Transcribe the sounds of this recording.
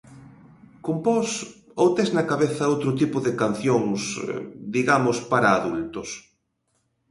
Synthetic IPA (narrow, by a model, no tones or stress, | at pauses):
kompɔs | ot̪eznɐkaβeθɐowt̪ɾʊt̪̬ipʊðekan̟θjoŋsd̪iɣamʊspaɾaːðult̪os